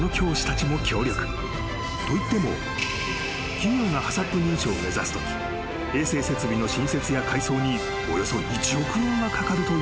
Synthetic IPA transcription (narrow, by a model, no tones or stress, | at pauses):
no̞kʲo̞ːɕi̥t̪at͡ɕimo̞kʲʰo̞ːɾʲo̞kɯ̟̥ | t̪o̞it̪ːe̞mo̞̰ | kʲiɲʲoːŋahasat̪ːe̞ɲ̟ĩɰ̃ɕo̞ːme̞zasɨ̥t̪okʲi̥ | e̞ːse̞ːse̞t͡sɨbʲino̞ɕĩse̞t͡sɨjakaiso̞ːɲ̟i | o̞̰jo̞so̞ʔit͡ɕio̞kɯ̟ɲĩŋɡakakaɾɯ̟t̪o̞